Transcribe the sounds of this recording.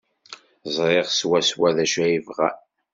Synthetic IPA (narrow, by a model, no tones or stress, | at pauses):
zˤɾˤeʁswæswæðæʃæjivʁæ̰